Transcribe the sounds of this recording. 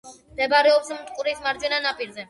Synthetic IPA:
d̪ɛbaɾɛɔpsmt̪ʼqʼuɾismaɾd͡ʒwɛnanapʼiɾzɛ

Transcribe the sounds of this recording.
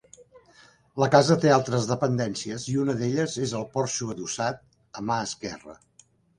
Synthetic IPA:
ləkazət̪ealˠt̪ɾəzðəpənd̪ɛnsiəziunəðeʎəzezəlˠpɔɾʃuəðusat̪̚ | əmaəskɛ̰rə̰

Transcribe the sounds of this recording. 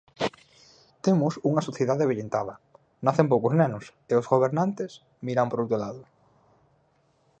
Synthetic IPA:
t̪emʊsuŋɐsoθjeðaðeβeʎent̪aðɐ | naθemp̬owkʊznɛnʊseʊzɣoβ̞eɾnant̪es | miɾampoɾowt̪ɾolaðʊ

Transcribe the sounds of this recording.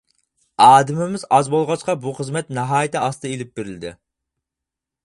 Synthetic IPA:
ɑːd̪ɪmɪmɪzɑzbolˠʁɑt͡ʃqɑbuχəzmɛt̪nɛɦɑːjɪt̪ɪɑsd̪elɪp̚beɾɪld̪ɪ̰

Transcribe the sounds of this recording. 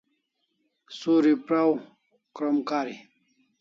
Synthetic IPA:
suɾipɾaw | kɾomkaːɾi

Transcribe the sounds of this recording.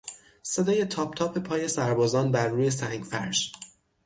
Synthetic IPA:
se̞d̪ɒːje̞t̪ʰɒːpʰt̪ʰɒːpʰe̞pʰɒːje̞sæɾbɒːzɒːnbæɾːuːje̞sæŋɡfæɾʒ

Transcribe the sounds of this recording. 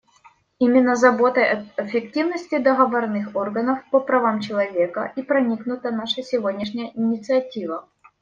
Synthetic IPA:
imʲɪnːəzɐbo̞t̪əjɐɪfʲɪktʲivnəsʲtʲɪd̪əɣɐvɐrnɨxorɣənəfpəpɾɐvamt͡ɕɪlˠɐvʲe̞kə̰ʔipɾɐnʲiknʊt̪ənaʂəsʲɪvodʲnʲɪʂnʲɪjəʔɪnʲɪt̪sɨɐtʲivə

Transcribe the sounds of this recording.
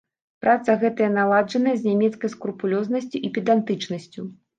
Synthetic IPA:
pɾʔat̪sɐɣɛt̪ɐjɐnalˠad͡ʐɐnɐjɛzʲnʲamʲɛt̪skɐjskɾupulʲɔznɐsʲt͡sʲuʔipʲid̪ant̪ɨt͡ʂnɐsʲt͡sʲu

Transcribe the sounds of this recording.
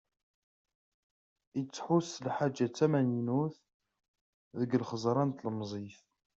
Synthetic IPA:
it͡sːħuslħad͡ʒːat͡s̪ːæmæninuθ | ðəɡəlχəzˤɾˤɑnt̪lmzˤif

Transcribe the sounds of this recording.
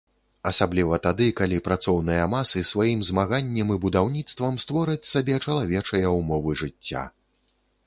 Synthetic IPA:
ɐsablʲivɐt̪ad̪ɨkalʲipɾat̪sɔwnɨjɐmasɨsvajimzmaɣanʲːɐmɨbud̪awnʲit̪st̪vɐmst̪vɔɾɨt͡sʲsabʲɛt͡ʂɐlˠavʲɛt͡ʂɐjɐumɔvɨʐɨt͡sʲːa̰

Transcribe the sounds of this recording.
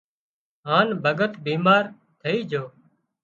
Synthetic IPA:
ɦaːnbʱəɡət̪biːmaːɾ | t̪ʰəiːd͡ʒʱoː

